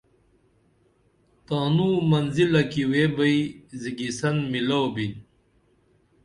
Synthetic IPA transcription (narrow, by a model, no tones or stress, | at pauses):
t̪aːnumɐnzilɐkiweːbɐiziɡisɐnmilowbin